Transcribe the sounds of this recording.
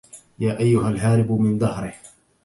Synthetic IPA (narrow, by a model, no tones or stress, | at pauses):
jaːʔajːʊɦalɦaːɾɪbmɪnd̪ˤɑhɾɪh